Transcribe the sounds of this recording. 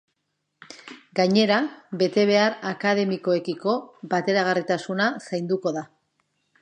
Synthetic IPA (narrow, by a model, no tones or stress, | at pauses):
ɡaɲe̞ɾaβe̞t̪e̞β̞e̞aɾakað̞e̞miko̞e̞kiko̞bat̪e̞ɾaɣ̞arit̪asunasajnd̪uko̞ða